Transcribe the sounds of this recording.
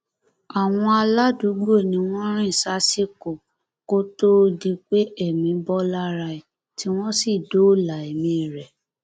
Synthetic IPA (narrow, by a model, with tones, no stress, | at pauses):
a˨w̃ɔ̃˧a˧la˦du˨˦ɡ͡bo˦˨nĩ˧˦w̃ɔ̃˦ɾ̃ĩ˦˨sa˦si˦˨ko˨ | ko˦to˦di˧k͡pe˦e˦˨mĩ˨bɔ˦la˦ɾa˧i˨ | ti˦w̃ɔ̃˦si˦˨do˦˨la˨e˨mĩ˨˦˨ɾɛ˨